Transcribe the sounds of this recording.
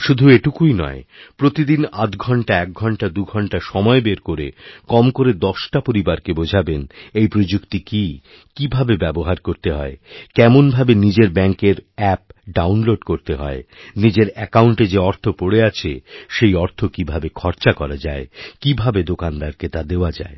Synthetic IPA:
ʃud̪ʱueʈukujnɔ̰epɾot̪id̪inat̪ɡʱɔɳʈaɛk̚ɡʱɔɳʈad̪uɡʱɔɳʈaʃɔmɔebeɾkoɾekɔmkoɾed̪ɔʃʈapoɾibaɾkebod͡ʑʱabenejpɾod͡ʑukt̪iki | kibʱabebɛboɦaɾkoɾt̪eɦɔ̰ekɛmonbʱabenid͡ʑeɾbɛŋkeɾɛp̚ɖawnloɖkoɾt̪eɦɔ̰enid͡ʑeɾɛkauɳʈed͡ʑeɔɾt̪ʰopoɽeat͡ɕʰeʃejɔɾt̪ʰokibʱabekʰɔɾt͡ɕakɔɾad͡ʑaekibʱabed̪okand̪aɾket̪ad̪eoad͡ʑa̰e

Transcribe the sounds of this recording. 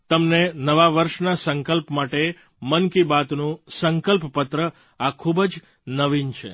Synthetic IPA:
t̪əmnenəʋaʋəɾʃnasəŋkəlpmaʈe | mənkibat̪nũsəŋkəlppət̪ɾə | akʰubd͡ʒ | nəʋint͡ʃʰḛ

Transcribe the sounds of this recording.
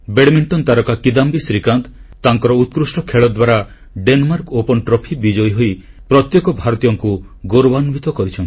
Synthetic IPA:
beɽmiɳʈɔnt̪aɾɔkakid̪ambisɾikant̪t̪aŋkɔɾɔut̪̚kɾusʈɔkʰeɭɔd̪waɾa | ɖenmaɾkopɔnʈɾɔpʰibid͡ʒɔjɦoi | pɾɔt̪jɔkɔbʱaɾɔt̪ijɔŋku | ɡoɾɔbanbit̪ɔkɔɾit͡ʃʰɔnt̪

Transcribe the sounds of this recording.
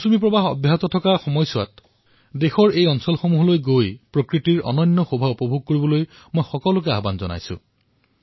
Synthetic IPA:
sumipɹɔbaɦɔ̰bʱjaɦɔt̪ɔtʰɔkaxɔmɔjsʊwa̰t | dexɔɹejɔnsɔlxomuɦɔlojɡojpɹokɹitiɹʔɔ̰nɔnːɔxobʱaupɔbʱuɡ̚koɹibɔloj | mojxɔkɔlʊk̬ɛaɦbanzɔna̰jsʊ̰̃

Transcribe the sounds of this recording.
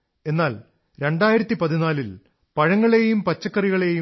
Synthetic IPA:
e̞nːaːl | ɾe̞ɳɖaːjiɾɐt̪ːipɐðinaːlil | pɐɻɐŋːɐɭe̞jumpɐt͡ɕːɐkːɐriɣɐɭe̞ju

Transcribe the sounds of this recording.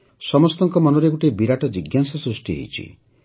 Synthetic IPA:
sɔmɔst̪ɔŋkɔmɔnɔɾeɡuʈebiɾaʈɔd͡ʒiɡjansasɾusʈiɦḛjt͡ʃʰḭ

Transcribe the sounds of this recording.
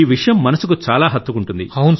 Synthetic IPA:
iːʋiʂɐjɐmːɐnɐsukut͡ʃaːlaːɦɐt̪ːukuɳʈund̪ihɐwun

